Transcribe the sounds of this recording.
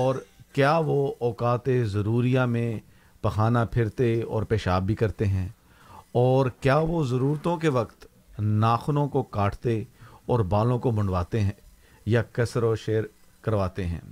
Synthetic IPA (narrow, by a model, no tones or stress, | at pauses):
ɔːɾkjaːʋoɔːkaːt̪ezɐɾuːɾijamẽ | pɐxaːnapʰɪɾt̪eɔ̰ːɾpeːʃaːbʱikɐɾt̪eɦɛ̃ː | ɔːɾkjaːʋozɐɾuːɾt̪õkeʋɐkt̪ | naːxnõkokaːʈʰt̪eɔːɾbaːlõkobʊ̃ɳɖʋaːt̪eɦɛ̃ː | jakɐsɾoʃeːɾ | kɐɾʋaːt̪eɦɛ̰̃ː